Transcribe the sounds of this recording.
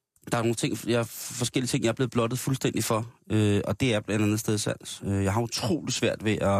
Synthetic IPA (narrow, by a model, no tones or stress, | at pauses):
d̥ɑ̈ænoːnət͡sʰe̝ŋ̰jɑfɒ̽sɡ̥el̰it͡sʰe̝ŋ̰jɑ̈æɐb̥le̝ːð̩ˠb̥lɒ̽d̥ð̩ˠfulsd̥en̰d̥ifɒ̽øɒ̽d̥e̝æɐb̥læ̥ænð̩ˠsd̥eð̞ˠsæn̰øjɑ̈ɪɦɑ̈ut͡sʰʁo̝̰ːlisʋæɐ̰d̥ʋe̝ʔɒ